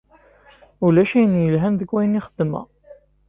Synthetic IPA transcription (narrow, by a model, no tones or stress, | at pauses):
ulæʃæjənjəlɦænðəkwæjnɪχəd̪̥ːəmæ̰